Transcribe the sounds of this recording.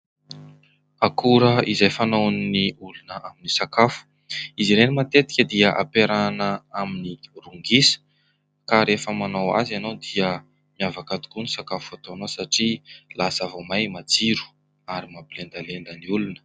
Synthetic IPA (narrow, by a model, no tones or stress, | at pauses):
akuɾəizajfanownniulunəʔaminisakafu̥ | iziɾenimat̪et̪i̥kʲəd̪iəʔa̰peɾanəaminiruŋɡisə̥ | kaɾefəmanowa̰zanowd̪iə | miavakat̪u̥kunisakafuat̪oanosaʈ͡ʂilasavomajmad͡ziɾu̥ | aɾimabilend̪alend̪əniulunə